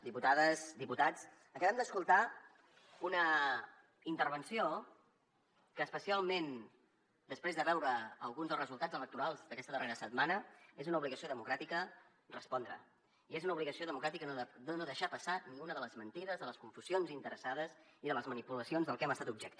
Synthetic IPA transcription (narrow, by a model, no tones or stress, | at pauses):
d̪iput̪aðəzd̪iput̪at͡s | əkəβɛmd̪əskulˠt̪a | unə | int̪ərβənsio | kəːspəsialˠmen | d̪əspɾezðəβɛwɾəəlˠɣunzðəlˠrəzulˠt̪ad͡zələk̚t̪uɾalˠzðəkɛst̪əðəreɾəsəd̪manəezunəuβliɣəsioðəmukɾat̪ikə | rəspɔnd̪ɾə̰ | iezunəuβliɣəsioðəmukɾat̪ikənd̪ənoðəʃapəsaniunəðələzmənt̪iðəzðələskuɱfuzionzint̪əɾəsað̞əziðələzmənipuləsionzðəlˠkɛməst̪at̪ub̚ʒɛk̚t̪